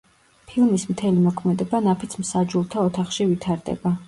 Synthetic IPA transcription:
pʰilˠmismt̪ʰɛlimɔkʰmɛd̪ɛbanapʰit̪sʰmsad͡ʒulˠt̪ʰaɔt̪ʰaχʃivit̪ʰaɾd̪ɛ̰ba

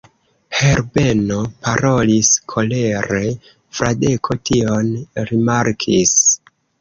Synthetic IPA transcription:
heɾbe̞nopaɾo̞liskʰo̞le̞ɾe | fɾade̞kʰo̞tʰionɾimaɾkʰis

